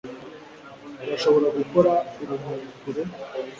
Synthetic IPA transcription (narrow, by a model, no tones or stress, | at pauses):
ɾaʃo̞βo̞ɾaɡuko̞ɾauβumunukuɾe